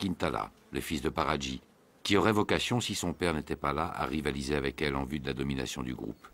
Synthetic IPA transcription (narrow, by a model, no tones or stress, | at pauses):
kʲint̪ala̰ | lə̰fisd̪əpaʁad͡ʒi | kʲiɔʁɛvɔkasjɔ̃sisɔ̃pɛʁnet̪ɛpalaʔa̰ʁivalizeavɛkɛlɑ̃vyd̪əlad̪ɔmina̰sjɔ̃d̪y̰ɡʁṵp